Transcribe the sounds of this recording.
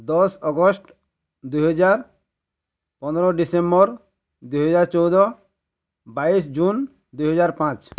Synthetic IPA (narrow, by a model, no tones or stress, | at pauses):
d̪ɔsɔɡɔsʈ | d̪ujɦɔd͡ʑaɾ | pɔneɾɔɖisembɔɾ | d̪ujɦɔd͡ʑaɾt͡ʃowd̪ɔ | baisd͡ʑun | d̪ujɦɔd͡ʑaɾpãt͡ɕ